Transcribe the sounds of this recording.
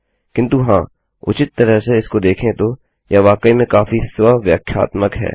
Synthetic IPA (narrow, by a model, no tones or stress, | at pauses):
kɪ̃nt̪uɦãː | ʊ̰t͡ʃɪt̪ːəɾəɦseɪskod̪eːkʰẽt̪o | jaʋaːkəimẽkaːfisɪʋaːʋjaːkʰja̰ːt̪məkɦɛ̰ː